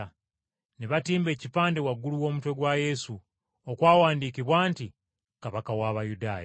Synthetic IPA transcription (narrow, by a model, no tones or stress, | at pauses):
neβatiːmbe̞ːcipaːnde̞waɡːuluwo̞ːmutwe̞ɡwaje̞su | okwaːwaːndiːkiβwaːnti | kaβakawaːβajudaːja